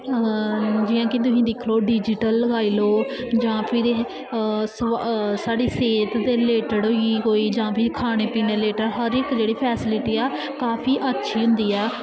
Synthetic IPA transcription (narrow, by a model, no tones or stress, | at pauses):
d͡ʒɪjãːkɪt̪ʊɦĩːd̪ɪkʰloːɖiːd͡ʒɪʈəlːəɡaːiːloːd͡ʒãːpʰɪɾ | ssaːɖiːseːt̪d̪eːleːʈəɽɦoiɦoːiːd͡ʒãːpʰɪɾkʰaːɽ̃eːpiːneːleːʈəɾɦəɾɪkd͡ʒeːɽiːpʰɛːsɪlɪʈiːɛː | kaːpʰiːʔətːʃʰiːɦʊ̃nd̪iːɛː